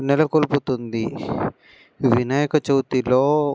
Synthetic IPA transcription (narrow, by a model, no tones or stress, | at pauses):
nɛlɐkoluput̪und̪i | ʋinaːjɐkɐt͡ʃɐwut̪iloː